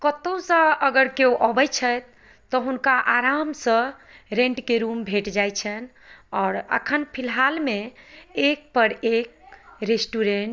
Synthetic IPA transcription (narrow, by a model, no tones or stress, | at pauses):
kət̪osə̃əɡəɾkeoʔɔbəjt͡ʃʰəjt̪ː | ɔɦunkaʔaɾamsə̃ɾẽɳʈkeɾumbʱeʈd͡ʒajt͡ʃʰən | ɔːɾə̰kʰənpʰilɦalmeek̚pəɾek̚ɾesʈuɾeɳʈ